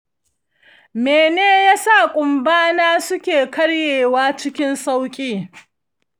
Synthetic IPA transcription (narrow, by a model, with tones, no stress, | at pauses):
meː˨neː˦jaː˦sa˦˨kʷʼʊ˨mbaː˦naː˦sʊ˦kʲeː˨kɐ˦ɽjeː˨waː˦t͡ʃɪ˦kʲɪ˦nsa˦wkʲʼiː˦˨